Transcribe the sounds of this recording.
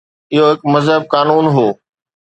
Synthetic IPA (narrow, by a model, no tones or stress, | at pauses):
ɪɦoɦɪkmɐzɦəb̚kaːnuːnɦoː